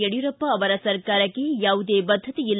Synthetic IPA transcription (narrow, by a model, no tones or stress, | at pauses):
eɽijuɾɐpːɐːʋɐɾɐsɐɾkaːɾɐkːe̞jaːʋud̪eːbɐd̪ʱːɐt̪iilː